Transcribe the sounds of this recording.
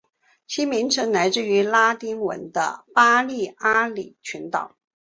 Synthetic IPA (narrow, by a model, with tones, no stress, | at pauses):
t͡ɕʰi˥mi˧˥ŋʈ͡ʂʰə˧˥ŋla˧˥ɪt͡sɹ̩˥˩y˧˥la˥t̪i˥ŋwə̰˧˥nd̪ə̰˧pa˥li˥˩a˥li˨˩t͡ɕʰy˧˥nt̪ɑ̰˨˩˦